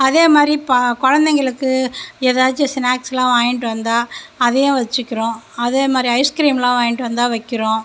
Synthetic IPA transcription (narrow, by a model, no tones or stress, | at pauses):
ɐðeːmaːd̪ɾipkɔɻɐnd̪ɛŋɡɐɭɯkːɯɛðaːt͡ʃːɯsɪnaːkslãːʋaːjɪɳʈːɯʋɐnd̪aːɐðɛjõʋɐt͡ʃːɯkːɪɾõːɐðeːmaːd̪ɾiɐɪskɾiːmlãːʋaːjɪɳʈːɯʋɐnd̪aːʋɐɪkːɪɾõː